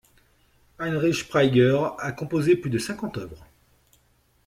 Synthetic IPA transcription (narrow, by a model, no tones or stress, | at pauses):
anʁiʃpχajɡœʁakɔ̃pozeplyd̪əsɛ̃kɑ̃t̪œvʁə